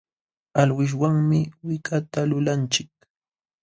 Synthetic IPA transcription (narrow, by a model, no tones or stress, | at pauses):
alwɪʃ̬waŋmɪwɪkat̪alʊlant͡ʃɪk̚